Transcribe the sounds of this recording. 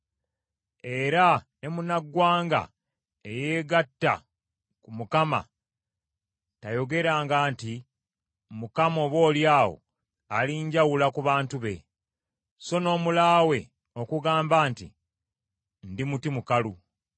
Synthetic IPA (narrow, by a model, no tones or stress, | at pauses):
e̞ɾane̞munaɡwaːŋɡa̰ | ejeːɡatːa̰ | kumukama̰ | tajo̞ɡe̞ɾaːŋɡaːnti | mukamo̞βwo̞ːljaːwo̰ | aliɲɟawulakuβaːntuβe̞̰ | so̞no̞ːmulaːwe̞ | o̞kuɡaːmbaːntḭ | ndimutimukalu